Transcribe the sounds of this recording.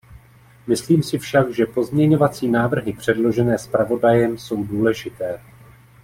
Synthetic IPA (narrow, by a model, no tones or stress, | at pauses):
mɪsliːmsɪfʃaɡʒɛpo̞zmɲɛɲo̞vat͡siːnaːvr̩ɦɪpr̝̥ɛdlo̞ʒɛnɛːspɾavo̞dajɛmso̞wduːlɛʒɪt̪ɛː